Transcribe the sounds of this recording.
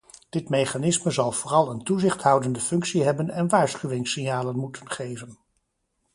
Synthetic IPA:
d̥ɪtmejχanɪsməzɑlˠv̥ʊːrɑlˠəntuzɪχtɦʌwdəndəfɵŋksiɦɛbənɛnʋaːɹsχyʋɪŋsɪnjaːlənmutənχejvən

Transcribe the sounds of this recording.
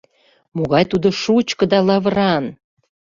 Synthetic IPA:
moɣɑjt̪ud̪oʃut͡ɕkɤ̆d̪ɑlɑβɾɑn

